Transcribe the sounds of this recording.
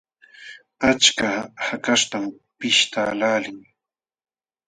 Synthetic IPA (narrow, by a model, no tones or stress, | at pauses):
at͡ʃkahakast̪am | pɪʃt̪aːlaːlɪŋ